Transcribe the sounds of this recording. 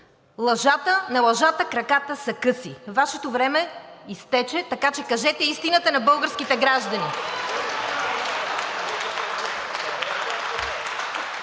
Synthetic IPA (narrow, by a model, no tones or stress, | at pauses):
lˠɐʒat̪ənɐlˠɐʒat̪əkɾɐkat̪əsɐkɤsivaʃɛt̪ovɾɛmɛist̪ɛt͡ʃɛt̪ɐkat͡ʃɛkɐʒɛt̪ɛist̪inət̪ənɐbɤlˠɡəɾsk̟it̪ɛɡɾaʒd̪ɐni